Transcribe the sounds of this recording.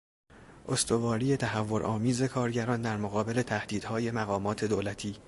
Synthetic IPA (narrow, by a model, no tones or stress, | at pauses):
ʔo̞st̪ʰo̞vɒːɾiːje̞t̪ʰæɦævːo̞ɾʔɒːmiːze̞kʰɒːɾɟæɾɒːnd̪æɾmoɣɒːbe̞le̞t̪ʰæhd̪̥iːd̪hɒːje̞mæɣɒːmɒːt̪ʰe̞d̪oːlæt̪ʰiː